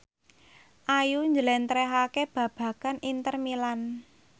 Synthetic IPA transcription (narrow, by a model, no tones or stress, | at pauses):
ʔajuɲd͡ʒəlɛnt̪ɾɛɦakeb̥ä̤b̥ä̤kanint̪ərmilan